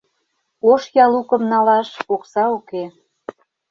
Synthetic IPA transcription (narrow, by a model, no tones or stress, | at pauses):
oʃjɑlukə̆mnɑlɑʃoksɑoke